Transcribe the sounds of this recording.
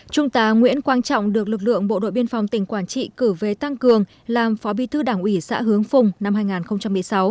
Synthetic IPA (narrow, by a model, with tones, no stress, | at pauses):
t͡ɕʊ˧ŋ͡mt̪aː˨˦ŋwḭ˧˥ənkwaː˧nt͡ɕɔ̰˧˨wŋ͡mɗɨ˨˩ək̚lɨ˨ək̚lɨ̰˧˨əŋɓo̰˧˨ɗo̰˧˨jɓi˧ənfa˨˩wŋ͡mt̪ï˧˩ŋ̟kwaː˧˩nt͡ɕḭ˧˨kɨ˧˩ve˨˩t̪a˧ŋkɨ˨˩əŋ | laː˨˩mfɔ˨˦ɓi˨˦t̪ʰɨ˧ɗaː˧˩ŋʔwi˧˩sa̰ː˧˥ɦɨ˨˦əŋfʊ˨˧˩ŋ͡mna˧mɦaː˧jŋaː˨˩nxə˧wŋ͡mt͡ɕa˧mːɨ˨˩əjsa˨˦w